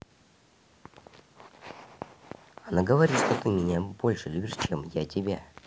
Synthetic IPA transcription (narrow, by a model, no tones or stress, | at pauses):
ɐnaɡəvɐɾʲit̪ʂt̪ot̪ɨmʲɪnʲabo̞lʲʂɨlʲubʲɪʂt͡ɕemjatʲɪbʲa